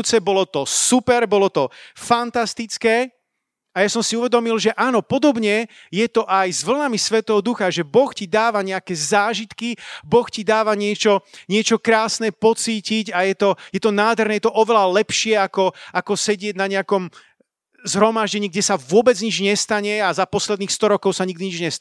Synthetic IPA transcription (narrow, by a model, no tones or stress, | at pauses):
t͡sɛbɔlɔt̪ɔsupɛɾbɔlɔt̪ɔfant̪ast̪it͡skɛː | ajasɔmsiuʋɛd̪ɔmilʒɛʔaːnɔpɔd̪ɔbɲɛ | jɛt̪ɔʔajzʋl̩ˠnamisʋɛt̪ɛːɦɔd̪uxaʒɛbɔxcid̪aːʋaɲɛakɛːzaːʒit̪kibɔxcid̪aːʋaɲɪɛt͡ʃɔɲɪɛt͡ʃɔkɾaːsnɛpɔt͡siːciɟajɛt̪ɔjɛt̪ɔnaːd̪ɦɛɾnɛjɛt̪ɔʔɔʋɛlalɛpʃɪɛakɔakɔsɛɟɪɛɟnaɲɛakɔm | zɦɾɔmaʒɟɛɲiːɡ̚ɟɛsaʋʊɔbɛd͡zɲid͡ʒɲɛst̪aɲɛazapɔslɛd̪niːxst̪ɔɾɔkɔʊsaɲiɡd̪iɲid͡ʒɲɛ